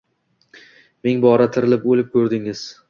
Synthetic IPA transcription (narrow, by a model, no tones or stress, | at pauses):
meŋbɒɾat̪ʰɪɾɪlɪpolɪp̚kʲʰɵɾd̪ɪŋɪz̥